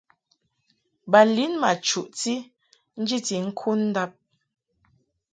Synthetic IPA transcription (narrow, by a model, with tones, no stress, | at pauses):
ba˨li˦nma˨t͡ʃu˨ʔti˦ | n̩˦d͡ʒi˦ti˨ŋ̩˦kʰu˦n̩˦da˦p̚